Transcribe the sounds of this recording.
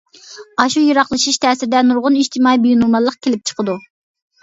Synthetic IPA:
ɑʃujiɾɑχlˠɨʃiʃt̪ʰɛːsɪɾɪd̪ɛnuɾʁʊniʃt̪ʰɪmɑibyjunumɑlˠːəq̚kʲʰelɪp̚t͡ʃʰə̥qʰəd̪u

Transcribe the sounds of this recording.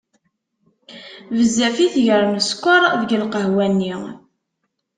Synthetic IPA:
vəzːæfiθʝəɾˤməskʷːəɾˤðəɡəlqəɦwænːi

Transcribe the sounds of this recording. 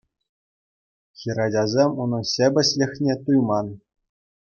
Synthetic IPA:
xʲiɾɑdʲɑzʲemunɤ̆nɕʲĕbʲɘ̆ɕlʲɘ̆xʲnʲet̪ujmɑn

